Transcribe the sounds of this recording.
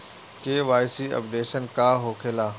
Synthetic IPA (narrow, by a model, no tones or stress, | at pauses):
keːʋaːɪsiɐ̰pɖeːʃənkaːɦoːkʰeːlaː